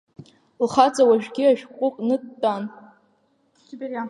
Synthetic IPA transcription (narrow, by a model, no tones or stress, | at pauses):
lχad͡zʼawaʒᶣɡʲɪaʒᶣkʷʼʊqʼnɨdtʼːan